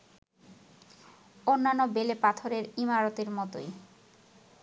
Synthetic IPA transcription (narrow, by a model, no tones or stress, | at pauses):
onːanːobelepat̪ʰoɾeɾimaɾot̪eɾmɔt̪o̰j